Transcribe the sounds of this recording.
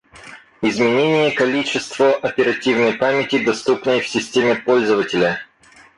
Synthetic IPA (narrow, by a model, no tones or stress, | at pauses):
ɪzmʲɪnʲenʲɪjəkɐlʲit͡ɕɪst̪vəʔɐpʲɪɾɐtʲivnəjpamʲɪtʲɪd̪ɐst̪upnəjfsʲɪsʲtʲemʲɪpolʲzəvətʲɪlʲə